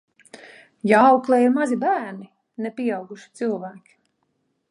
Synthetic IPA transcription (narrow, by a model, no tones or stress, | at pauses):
jaawklˠɛiɾmazibæːɾni | nɛpiɛɑwɡuʃi̥t̪sɨlˠvæːkʲi̥